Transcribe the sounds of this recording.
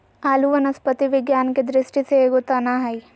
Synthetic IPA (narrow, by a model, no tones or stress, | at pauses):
aːluʋɐnɐspət̪iʋɪɡjaːnked̪ɾɪʃʈiseeːɡot̪ɐnaɦɐi